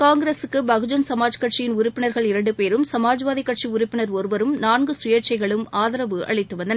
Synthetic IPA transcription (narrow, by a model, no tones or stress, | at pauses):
kaːŋɡɪɾeːsɯkːɯbɐɣɯd͡ʒɐnsɐmaːd͡ʒkɐʈt͡ʃijɪnʊɾʊpːɪnɐɾɣɐɭɪɾɐɳɖɯpeːɾɯmsɐmaːd͡ʒʋaːðikːɐʈ̚t͡ʃiʊɾʊpːɪnɐɾɔɾɯʋɐɾɯmnaːnɡɯsʊjɐɾt͡ʃɐɪɣɐɭɯmaːðɐɾɐʋɯʔɐ̰ɭɪt̪ːɯʋɐnd̪ɐnɐ